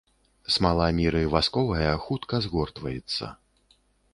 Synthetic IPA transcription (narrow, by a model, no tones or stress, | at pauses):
smalˠamʲiɾɨvaskɔvɐjɐxut̪kɐzɣɔrt̪vɐjɛt̪sːɐ̰